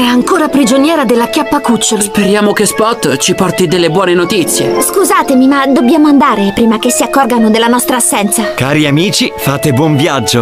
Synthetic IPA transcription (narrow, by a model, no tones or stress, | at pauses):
ɛaŋkoːɾapɾid͡ʒonjɛːɾad̪elːakjapːakut͡ʃːolspeɾjaːmokespɔt̪ːt͡ʃipɔrt̪id̪elːebwɔːnenot̪it̪sːjḛskuzaːt̪emimad̪obːjaːmoand̪aːɾepɾiːmakesːiakːɔrɡanod̪elːanɔst̪ɾaːsːɛnt̪sakaːɾiamiːt͡ʃifaːt̪ebwɔɱvjad͡ʒːo